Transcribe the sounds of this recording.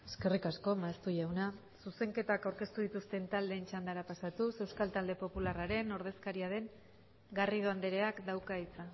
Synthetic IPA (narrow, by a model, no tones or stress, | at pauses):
e̞ske̞rikasko̞maest̪uʎawna | suse̞ŋke̞t̪akawɾke̞st̪uðit̪ust̪e̞nt̪ald̪e̞ːnt͡ʃand̪aɾapasat̪use̞wskalt̪ald̪e̞po̞pularaɾe̞no̞ɾð̞e̞skaɾiaðe̞ŋ | ɡarið̞oand̪eɾe̞akd̪awkait͡sa